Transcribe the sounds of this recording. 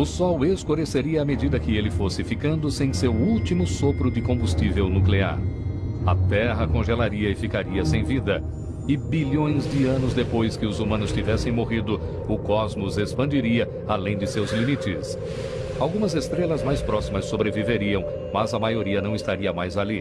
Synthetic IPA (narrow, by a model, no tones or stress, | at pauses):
ʊsɔweskoɾeseɾiɐamed͡ʒid̪ɐkɪelɪfosɪfikɐ̃nd̪ʊsẽj̃sewuwt͡ʃimʊsopɾʊd͡ʒɪkõbust͡ʃivewnuklea̰ɾɐt̪ɛɦɐkõʒelaɾiɐɪfikaɾiɐsẽj̃vid̪ɐ | ɪbiʎõj̃zd͡ʒɪɐ̃nʊzd̪epojskɪʊzumɐ̃nʊstivɛsẽj̃moɦid̪ʊ | ʊkɔzmʊzespɐ̃nd͡ʒiɾiɐ | alẽj̃d͡ʒɪsewzlimit͡ʃɪs | awɡũmɐzest̪ɾelɐzmajspɾɔsimɐsːobɾeviveɾiɐ̃w̃ | mɐzɐmajoɾiɐnɐ̃w̃ɪst̪aɾiɐmajzali